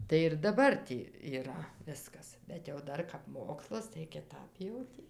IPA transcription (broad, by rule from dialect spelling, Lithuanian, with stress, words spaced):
tɐɪ ɪr dɐˈbɐr tʲiː iːˈrɐ ˈʋʲɪskɐs bʲɛt jɛʊ ˈdɐr kɐp ˈmoːkslˠɐs tɐɪ kʲɪˈtɐp jɛʊ ˈtʲiː